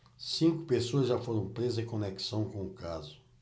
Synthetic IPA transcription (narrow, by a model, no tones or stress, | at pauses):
sĩŋkʊpesoɐzʒafoɾɐ̃w̃pɾezɐzẽkõneksɐ̃w̃kõʊkazʊ